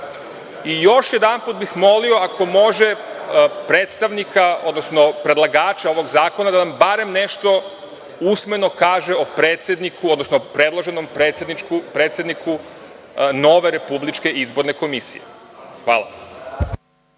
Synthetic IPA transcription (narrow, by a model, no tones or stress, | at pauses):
ijo̞ʃjed̪anput̪̚bixmo̞lio̞ako̞mo̞ʒe̞ | pɾe̞ːt̪st̪aʋnikʰao̞̰d̪no̞sno̞pɾe̞d̪lˠaɡaːt͡ʃao̞ʋo̞ɡzaːko̞nad̪anambaɾe̞mne̞ʃt̪o̞ | usme̞no̞kaːʒe̞opɾeːt̪sʲjed̪nikuod̪nosnopɾe̞d̪lˠoʒe̞nompɾet̪sʲed̪nit͡ʃkupɾet̪sʲjed̪nikʰu | no̞ʋe̞ɾe̞publit͡ʃke̞ʔizbo̞ɾne̞ko̞misḭjḛxʋa̰ːla̰